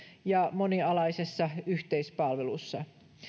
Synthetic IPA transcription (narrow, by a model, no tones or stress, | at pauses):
jɑmo̞niɑlɑjse̞sːɑyçt̪e̞jspɑlʋe̞lusːɑ